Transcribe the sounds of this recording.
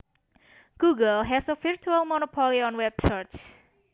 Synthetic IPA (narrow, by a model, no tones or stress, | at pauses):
ɡ̥uɡəlˠɦɛsəfiɹt͡ʃualmɔnopʰɔliɔ̃nwɛb̥̚t͡ʃəɹt͡ʃ